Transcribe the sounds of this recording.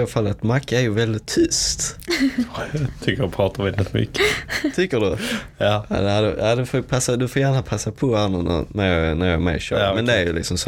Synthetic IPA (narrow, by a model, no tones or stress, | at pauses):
falːat̪makːaæɾjɵvɛld̪ɪt̪ʰːʏst̪ | t̪ʰʏkːəɾɔpʰɾɑːt̪amɛd̪ɛt̪ːmʏ̰kːət̪ʰʏkːədɵ | a̰d̪ɛhad̪əad̪ɵfopʰasːad̪ɵfoːjæːnapʰasːapʰɔanənæ̰næɾjɑnæɾjɑ̰mɛ̰ɕœ̰ːɾmɛnd̪ɛæɾjɵlɪ̰ksɔms